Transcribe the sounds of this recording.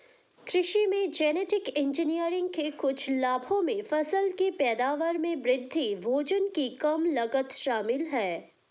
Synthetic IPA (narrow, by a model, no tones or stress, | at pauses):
kɾɪʃimẽd͡ʒɛːneːʈɪkɪ̃nd͡ʒɪnijəɾɪ̃ŋɡ̚kekʊt͡ʃʰlaːbʱõmẽfɐsəlkepɛːd̪aːʋəɾmẽbɾɪd̪ʱːiʋoːd͡ʒənkikɐmlɐɡət̪ʃaːmɪlɦɛː